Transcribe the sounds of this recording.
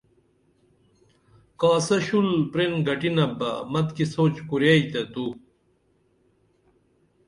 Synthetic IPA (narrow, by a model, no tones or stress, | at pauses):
kaːsɐɕulpɾenɡɐʈinɐbɐ̰mɐt̪kisoːt͡ɕkuɾjait̪ɐt̪u